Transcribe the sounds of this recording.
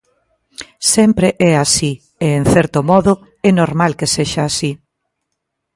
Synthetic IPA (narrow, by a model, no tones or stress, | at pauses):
sɛmpɾeʔɛasi | eeŋθɛɾt̪omɔðʊ | ɛnoɾmalkeseʃaːsi